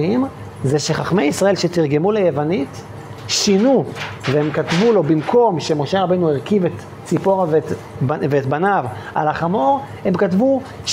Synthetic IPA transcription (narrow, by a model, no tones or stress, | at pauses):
im | zeʃeχaχmejisʁaʔe̞lʃe̞tiʁɡe̞mulejevanit | ʃinuvehemkatvulo̞bimkʰo̞mʃe̞mo̞ʃe̞ʁabejnuiʁkivet̪ | t͡sipo̞ʁavet | veːtbanav | a̰laχamo̞ʁhe̞mkatvu | ʃ